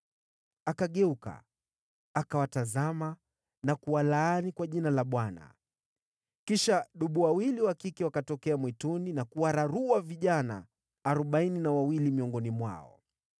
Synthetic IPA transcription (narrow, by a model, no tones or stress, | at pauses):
akaɠɛuka̰ | akawatazama | nakuwalaanikwaʄinalaɓwana̰ | kiʃaɗuɓuwawiliwakikɛwakatɔkɛamwituninakuwaɾaɾuwaviʄana̰ː | ɾɔɓaininawawilimiɔŋɡɔnimwa̰ɔ̰